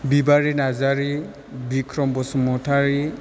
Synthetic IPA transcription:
bibaɹinazaɹi | bikʰɾɔmbɔsmɔtʰaɹi

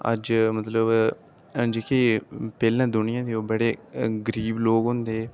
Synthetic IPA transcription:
ə̰d͡ʒmət̪ləb | d͡ʒeːkeːpɛːlãːd̪ʊnɪjãːd̪eːoːbəɽeːɡəɾiːbloːɡɦʊ̃nd̪eː

